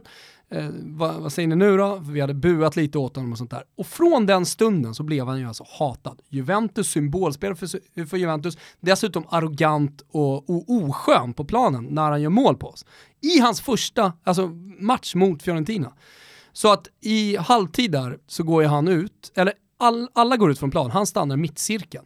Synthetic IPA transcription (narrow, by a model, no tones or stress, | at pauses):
vavasɛjːəɳɪnʉ̟ːɾɔfœvɪhad̪ːəbʉ̟ːat̪liːt̪əoːt̪hɔnːɔmɔs̬ɔnt̪ʰːæ̰ːɾɔfɾɔnd̪ɛnst̪ɵnd̪ənsɔblɛvhanjɵalsɔ̥hɑːt̪ad̪jɵvɛnt̪ɵsːʏmboːlspeːlaɾffœɾjɵvɛnt̪̬ɵsd̪ɛsʉ̟ːt̪ɔmaɾɔɡant̪ɔɔʔuːɧøːnpʰɔpʰlɑːnənːæɾhanjœːɾmoːlpʰɔɔs | ɪɦansfœʂʈaals̬ɔmat̪ʂmʊt̪fjɔɾɛnt̪ʰiːna̰ | sɔat̪ɪhalvt̪ʰiːd̪æɾsɔɡoːjɦanʉ̟ːt̪ɛlːəɾ | alalːaɡoːɾʉ̟t̪fɾɔnpʰlɑ̰ːnɦanst̪a̰nːaɾɪmɪt̪ːsɪɾkən